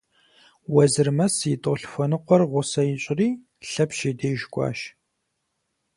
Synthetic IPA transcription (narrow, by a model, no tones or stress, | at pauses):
wɐzɨrmɐsjɪtʼoɬfʷɔnɨqʷɔrʁʷʊsɐjɪɕʼɪriː | ɬɐpʃeːdeːʒkʷʼɑ̰ːʃ